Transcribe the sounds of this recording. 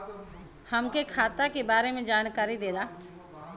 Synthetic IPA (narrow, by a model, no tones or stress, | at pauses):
hɐmkekʰaːt̪akebaːɾemẽd͡ʒaːnkaːɾid̪eːd̪aː